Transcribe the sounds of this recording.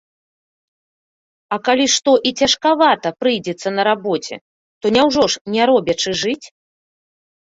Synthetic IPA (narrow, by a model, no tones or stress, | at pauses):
ɐkalʲiʂt̪ɔʔit͡sʲɐʂkavat̪ɐpɾɨjd͡zʲɛt̪sːɐnɐɾabɔt͡sʲɛ̰ | t̪ɔnʲawʐɔʂnʲɛɾɔbʲɐt͡ʂɨʐɨt͡sʲ